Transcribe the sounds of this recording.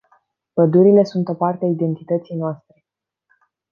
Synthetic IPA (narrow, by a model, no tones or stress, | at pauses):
pəd̪uɾile̞sunt̪o̞part̪eaid̪e̞nt̪it̪ət̪sijnoast̪ɾe̞